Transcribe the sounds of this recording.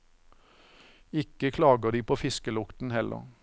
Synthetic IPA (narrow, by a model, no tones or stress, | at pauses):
ɪkəkʰlɑːɡəd̪iːpʰoːfɪskəlʊkt̪n̩hɛlʔə̰ʁ